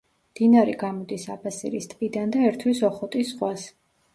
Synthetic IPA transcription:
md̪̥inaɾiɡamɔd̪isapʰasḭɾist̪ʼqʼid̪and̪aɛɾt̪ʰwisɔχɔt̪ʼisːχwas

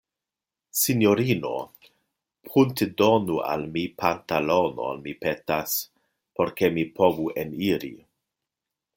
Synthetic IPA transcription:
sinjoɾino̰ | pʰuntedonua̰lmipʰantalono̰a̰lmipetas | poɾkemipʰovuʔeniɾḭ

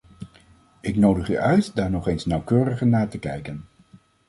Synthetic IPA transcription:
ɪknowdəχy̰ːʔœɥtdaːɹnɔχejnsnɑwkøːrəχənaːɹtəkɛ̰jkən

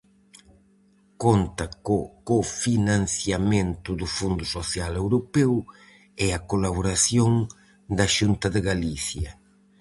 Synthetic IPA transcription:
kont̪ɐkofinãn̟θjamẽnt̪ʊðʊfund̪ʊsoθjalewɾopɛw | ɛakolaβoɾaθjoŋ | d̪ɐʃunt̪ɐðɪɣaliθjɐ̰

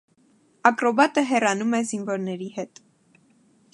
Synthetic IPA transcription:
ɑkɾɔbɑt̪əɦɛrɑnumɛzinvɔɾnɛɾihɛt̪

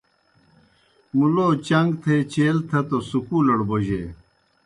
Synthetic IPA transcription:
muloːt͡ɕɐŋɡt̪ʰeːt͡ɕeːlt̪ʰɐt̪osukuːlɐɽboʑeː

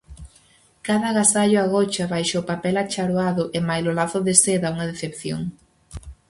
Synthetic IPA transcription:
kaðɐɣasaʎʊaɣɔt͡ʃɐβajʃaʊpapɛlat͡ʃaɾoaðʊʔɪmajlolaθʊðeseðauŋɐðeθepθjo̰ŋ

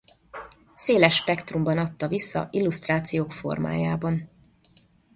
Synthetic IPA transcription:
seːlɛʃːpɛkt̪rumbɒnɒt̪ːɒvisːɒ̰ʔilːust̪raːt̪sijoːkfo̞̰rma̰ːjaːbɒn

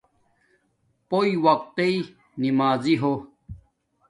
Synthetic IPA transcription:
poiwɐq̚t̪ei | nimaːziɦo

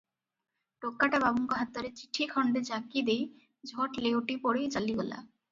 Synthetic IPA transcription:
ʈokːaʈababuŋkoɦat̪ːoɾet͡ɕi̥ʈʰikʰɔɳɖed͡ʑakid̪ej | d͡ʑʱoʈlewʈipoɽejt͡ɕaliɡola̰

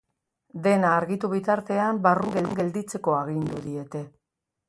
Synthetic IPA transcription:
d̪e̞naːɾɣit̪uβ̞it̪aɾt̪e̞ambaruŋɡeɡe̞ld̪it͡se̞ko̞aɣind̪uðie̞t̪e̞

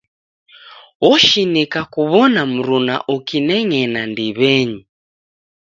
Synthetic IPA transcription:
wɔʃinikakuβɔnam̩ɾuna̰ʔukinɛŋɛnandiβɛɲi

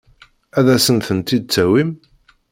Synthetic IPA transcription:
æðæsənθənt̪id̪̚t͡sːæwim

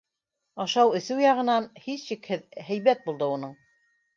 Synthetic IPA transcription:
ɑʃɑwɵ̆θɘwjɑʁɤ̆nɑnhisʃikhɘðhæ̆jβæt̪̚bulˠd̪ɤunɤɴ

